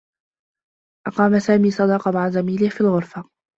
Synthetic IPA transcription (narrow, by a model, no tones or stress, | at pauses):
ʔɑqɑːmasaːmiːsˤɑd̪ɑqɑmaʕazamiːlɪhfiːlɣʊɾfa